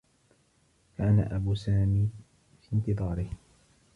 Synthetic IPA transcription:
kana̰ʔabuːsaːmiː | fiːnt̪ɨðˤɑːɾɪh

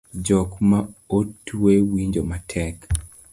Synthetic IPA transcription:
d͡ʒɔkmaotːwewiɲd͡ʒomatʰɛk

